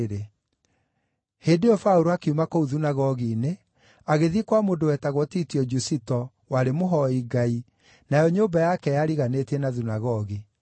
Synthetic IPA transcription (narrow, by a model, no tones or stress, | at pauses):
e | hedejɔfauɾoakeumakouðunaɣɔɣiːne | aɣeðikwamoːndowɛːtaɣwɔtitiɔd͡ʒusitɔ | waɾemoɦɔiɡai | najɔɲoːbajakɛjaɾiɣanetiɛnaðunaɣɔɣi